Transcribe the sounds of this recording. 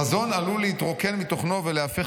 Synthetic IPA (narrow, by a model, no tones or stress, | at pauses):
azo̞nalulehit̪ʁo̞ke̞nmit̪o̞χno̞veleafe